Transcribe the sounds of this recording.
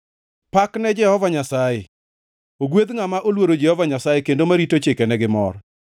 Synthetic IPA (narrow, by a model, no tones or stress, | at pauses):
paknɛd͡ʒɛhɔvaɲasaje | oɡwed̪ŋamaʔolwoɾod͡ʒɛhɔvaɲasajekendomaɾitot͡ʃekɛnɛɡɪmɔ̰r